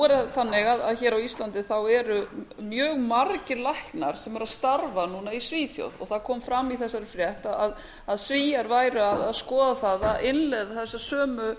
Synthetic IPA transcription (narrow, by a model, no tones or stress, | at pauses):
ɛɾθanːɪɣaðaðçɛːɾawist̪lant̪ɪθawɛɾʏmjœːɣmaɾcɪlahknaɾ̥sɛmɛɾaðst̪aɾvanuːnaisviːθjo̰wðɔ̰ɣθaðkʰɔːmfɾamːiθɛsːaɾɪfɾjɛht̪aðað | aðsviːjaɾvaːjɾʏaðaðskɔːðaθaðaðɪnlɛðaθɛsːaɾ̥sœːmʏ